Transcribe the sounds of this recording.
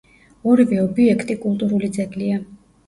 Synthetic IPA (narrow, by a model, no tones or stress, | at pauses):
ɔɾivɛɔbiɛkʰt̪ʼikʼulˠt̪ʼuɾulid̪zɛkʼlia